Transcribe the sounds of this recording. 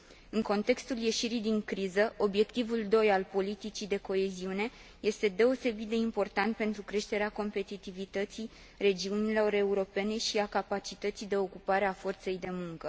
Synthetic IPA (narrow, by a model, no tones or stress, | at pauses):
ɨŋko̞nt̪e̞kst̪ulje̞ʃiɾijd̪iŋkɾizəʔo̞bje̞kt̪ivuld̪o̞jalpo̞lit̪it͡ʃid̪e̞ko̞e̞ziune̞ | je̞st̪e̞d̪e̞o̞se̞bit̪̚d̪e̞impo̞rt̪ant̪̚pe̞nt̪ɾukɾe̞ʃt̪e̞ɾeako̞mpe̞t̪it̪ivit̪ət̪sij | re̞d͡ʒiunilo̞ɾe̞uɾo̞pe̞ne̞ʃiakapat͡ʃit̪ət̪sijd̪e̞o̞kupaɾe̞afo̞rt̪se̞jd̪e̞muŋkə